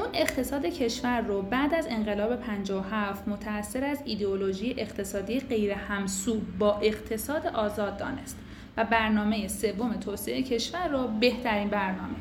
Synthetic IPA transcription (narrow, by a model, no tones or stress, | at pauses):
une̞qt̪ʰe̞sɒːd̪e̞cʰe̞ʃvæɾːobæːd̪æze̞nɢe̞lɒːbe̞pʰænd͡ʒɒːohæft̪mot̪ʰæːsːe̞ɾæzid̪eoloʒijeʔeqt̪ʰe̞sɒːd̪iːjeɢe̞jɾehæmsuːbbɒːʔe̞qt̪ʰe̞sɒːd̪eʔɒːzɒːd̪̚ːɒ̰ːne̞stt̪ | væbæɾnɒːme̞jese̞vːome̞t̪ʰoːseʔecʰe̞ʃvæɾːobe̞ht̪ʰæɾiːnbæɾnɒːme̞